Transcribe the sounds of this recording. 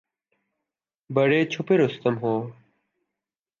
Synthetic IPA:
bəɽeːt͡ɕʰʊpeɾʊst̪əmɦoː

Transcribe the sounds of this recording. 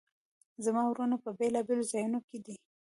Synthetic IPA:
zamɑwɾunapəbelɑbelozɑjunoked̪i

